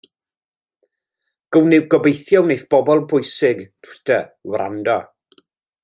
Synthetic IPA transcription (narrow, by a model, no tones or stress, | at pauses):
ɡ̥əwnɪwɡɔbejθjɔwnejθb̥ɔbɔlˠbʰʊjsɪɡpʰtʰəwra̰ndɔ